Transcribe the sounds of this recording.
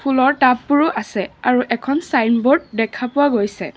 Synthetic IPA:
pʰulɔɹtapːʊɹuʔasɛaɹuʔɛkʰɔnsajnboɹd̚dɛkʰapʊwaɡojsɛ̰

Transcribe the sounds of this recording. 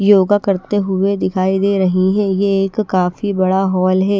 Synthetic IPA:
joːɡakɐɾt̪eɦʊed̪ɪkʰaːid̪eːɾɐɦiɦɛ̃jeːkkːaːfibɐɽaɦɔːlɦɛː

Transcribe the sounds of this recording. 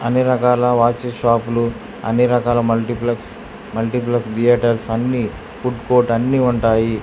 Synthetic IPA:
ɐniɾɐkaːlɐʋaːt͡ʃeʃaːpulu | ɐ̰niɾɐkaːlɐmɐlʈiplɐks | mɐlʈiplɐksɖijeʈɐlsɐnːi | fuɖkoːɾʈɐnːiːuɳʈaːji

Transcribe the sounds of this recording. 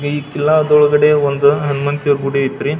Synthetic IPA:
ɡeiːkilːɐɐd̪ɔɭɐɡɐɽeond̪uɦɐnmɐnt̪ɐɾbuɽeit̪ːɐɾi

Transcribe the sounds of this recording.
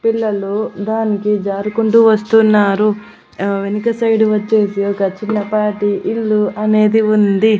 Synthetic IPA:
piɭːɐlud̪aːnikid͡ʒaːɾukuɳʈuʋɐst̪unːaːɾu | ʋenikɐsɐjɖuʋɐt͡ʃːe̞ːsiɔkɐt͡ʃːinːɐpaːɾʈiʔiɭːuɐne̞ːd̪iund̪i

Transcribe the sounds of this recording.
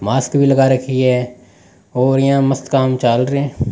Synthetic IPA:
maːskbʱiləɡaɾəkʰiɦɛː | oːɾjɦãməst̪kaːmt͡ʃaːlɾeɛ̃ː

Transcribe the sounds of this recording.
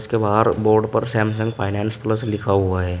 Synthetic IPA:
skebaːd̪boːɾɖpɐɾsɛːmsə̃ŋɡpʰaːɪnɛːnspləslɪkʰaɦuaɦɛː

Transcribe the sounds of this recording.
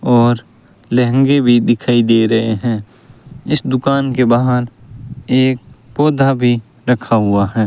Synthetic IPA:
ɔːɾ | lɛɦə̃ŋɡebʱid̪ɪkʰaːid̪eːɾɐɦeɦɛ̃ː | ɪsd̪ʊkaːnkebaɦəneːk̚pɔːd̪ʱabʱi | ɾəkʰaɦʊaɦɛː

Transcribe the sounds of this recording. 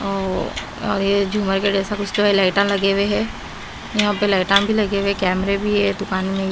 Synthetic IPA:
ɔː | ɔ̰ːɾjed͡ʒʱuːməɾked͡ʒɛːsakʊt͡ʃʰt̪oelaːɪʈãlɐɡeːweɦɛː | jɐɦãpelaːɪʈãbʱilɐɡewekɛːmɾebʱiɦɛd̪ʊkaːnmẽ

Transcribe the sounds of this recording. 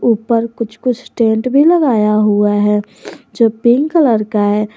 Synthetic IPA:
uːpəɾkʊt͡ʃʰkʊt͡ʃʰsʈẽːɳʈbʱiləɡaːjaɦuaɦɛ | d͡ʒoːpɪŋɡkələɾkaɛ

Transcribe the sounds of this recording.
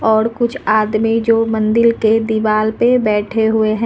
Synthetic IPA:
ɔːɾkʊt͡ʃʰaːd̪mid͡ʒoːmɐ̃nd̪ɪlked̪ɪʋaːlpebɛːʈʰeɦʊeɦɛ̃

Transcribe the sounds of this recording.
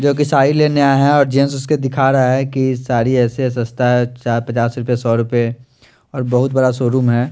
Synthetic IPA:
d͡ʒoːk̬isaːileːneaːɦɛɔːɾd͡ʒẽːns̬ʊsked̪ɪkʰaːɾɐɦaɦɛkisaːɾiɛːses̬ɐ̃st̪aɦɛt͡ʃaːpɐt͡ʃaːsɾʊpjesɔːɾʊpe | ɔːɾbɐɦʊt̪̚bɐɽasoːɾuːmɦɛː

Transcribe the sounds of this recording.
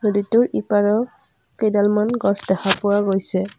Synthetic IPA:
noditʊɹipaɹɔ | kejdalmanɡɔsdɛxapʊwaɡojsɛ

